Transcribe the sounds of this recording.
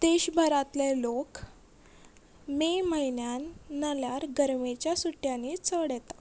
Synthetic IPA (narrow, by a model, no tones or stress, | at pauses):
d̪̥eɕbʱəɾat̪lelok | meməjnjanːəljaɾɡəɾmet͡ɕjasuʈjanit͡səɽjɛt̪a